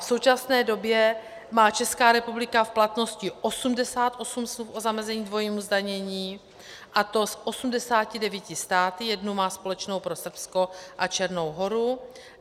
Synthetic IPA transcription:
fso̞wt͡ʃasnɛːdo̞bjɛ | maːt͡ʃɛskaːɾɛpublɪkafplat̪no̞scɪʔo̞sumdɛsaːt̪ʔo̞sumsmlufʔozamɛzɛɲiːdvo̞jiːmuzdaɲɛɲiː | ʔat̪o̞sʔo̞sumdɛsaːcɪdɛvjicɪst̪aːt̪ɪjɛdnumaːspo̞lɛt͡ʃnowpɾo̞sr̩psko̞ʔat͡ʃɛɾnowɦo̞ɾu

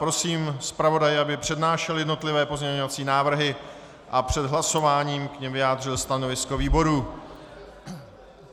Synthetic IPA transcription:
pɾo̞siːmspɾavo̞dajɪʔabɪpr̝̥ɛdnaːʃɛljɛdno̞t̪lɪvɛːpo̞zɲɛɲovat͡siːnaːvr̩ɦɪ | ʔapr̝̥ɛdɦlaso̞vaːɲiːmkɲɛmvɪjaːd̪r̝ɪlst̪ano̞vɪsko̞viːbo̞ɾuː

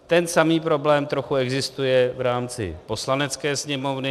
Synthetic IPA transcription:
t̪ɛnsamiːpɾo̞blɛːmt̪ɾo̞xuɛɡzɪst̪ujɛvɾaːmt͡sɪ̰po̞slanɛt͡skɛːsɲɛmo̞vnɪ

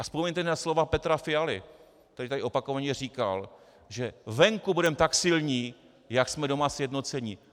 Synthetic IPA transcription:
ʔaspomɛɲt̪ɛnaslo̞vapɛt̪ɾafɪalɪ̰ | k̚t̪ɛɾɪt̪adɪʔo̞pako̞vaɲɛr̝iːka̰l | ʒɛvɛŋkubudɛmt̪aksɪlɲiː | jaksmɛdo̞masjɛdno̞t͡sɛɲi

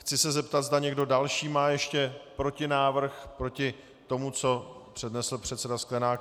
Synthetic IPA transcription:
xt͡sɪsɛzɛpt̪ad̪zdaɲɛɡdo̞dalʃiːmaːjɛʃcɛpɾo̞cɪnaːvr̩xpɾo̞cɪ | t̪o̞mut͡so̞pr̝̥ɛdnɛsl̩pr̝̥ɛt̪sɛdasklɛnaːk

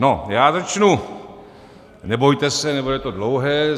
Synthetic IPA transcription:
nojaːzat͡ʃnu | nɛbo̞jt̪ɛsɛnɛbudɛt̪odlowɦɛː

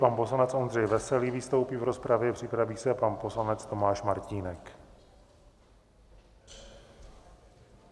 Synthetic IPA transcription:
panpo̞slanɛt͡sʔo̞ndr̝ɛjvɛsɛliːviːst̪o̞wpiːvɾo̞spɾavjɛpr̝̥ɪpɾaviːsɛpanpo̞slanɛt͡st̪o̞maːʃmaɾciːnɛk

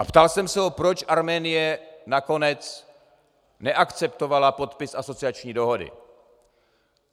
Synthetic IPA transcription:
ʔapt̪alsɛmsɛopɾo̞t͡ʃʔaɾmɛːnɪjɛnako̞nɛt͡s | nɛʔakt͡sɛpt̪o̞valapo̞t̪pɪsʔaso̞t͡sɪat͡ʃɲiːdo̞ɦo̞dɪ̰

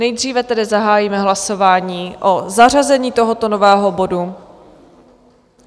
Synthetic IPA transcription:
nɛjd̪r̝iːvɛt̪ɛdɪzaɦaːjiːmɛɦlaso̞vaːɲiːʔo̞zar̝azɛɲiːt̪o̞ɦo̞t̪onovɛːɦo̞bo̞du

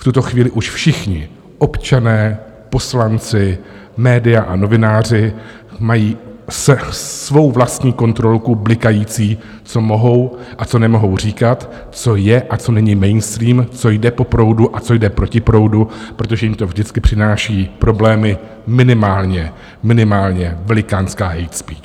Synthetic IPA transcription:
ft̪ut̪o̞xviːlɪʔuʃfʃɪxɲɪ | ʔo̞pt͡ʃanɛː | po̞slant͡sɪ | mɛːdɪjaʔano̞vɪnaːr̝ɪ | majiːssvo̞wvlast̪ɲiːko̞nt̪ɾo̞lkublɪkajiːt͡siː | t͡so̞mo̞ɦo̞wʔat͡so̞nɛmo̞ɦo̞wr̝iːkat̪ | t͡so̞jɛʔat͡so̞nɛɲɪmɛjnst̪ɾiːmt͡so̞jdɛpo̞pɾo̞wduʔat͡so̞jdɛpɾo̞cɪpɾo̞wdupɾo̞t̪oʒɛjɪmt̪o̞vʒdɪt͡skɪpr̥ɪnaːʃiːpɾo̞blɛːmɪ | mɪnɪmaːlɲɛ | mɪnɪmaːlɲɛvɛlɪkaːnskaːɦɛjt̪spiːt͡ʃ

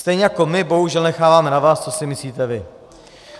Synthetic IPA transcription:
st̪ɛjɲɛjako̞mɪbo̞ɦuʒɛlnɛxaːvaːmɛnavaːst͡so̞sɪmɪsliːt̪ɛvɪ

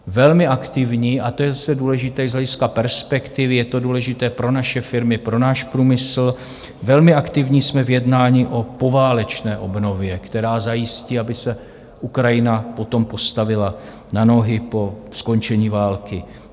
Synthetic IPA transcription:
vɛlmɪʔakt̪ɪvɲiːʔat̪ojɛzasɛduːlɛʒɪt̪ɛːzɦlɛɟɪskapɛɾspɛkt̪ɪvɪjɛt̪o̞duːlɛʒɪt̪ɛːpɾo̞naʃɛfɪɾmɪpɾo̞naːʃpɾuːmɪsl̩ | vɛlmɪʔakt̪ɪvɲiːsmɛvjɛdnaːɲiʔo̞po̞vaːlɛt͡ʃnɛːʔo̞bno̞vjɛkt̪ɛɾaːzajɪsciːabɪsɛ | ʔukɾajɪnapo̞t̪ompo̞st̪avɪla | nano̞ɦɪpo̞sko̞nt͡ʃɛɲiːvaːlkɪ

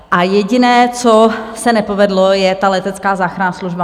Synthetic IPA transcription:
ʔajɛɟɪnɛːt͡sosɛnɛpovɛdlojɛt̪alɛt̪ɛt͡skaːzaːxɾanasluʒba

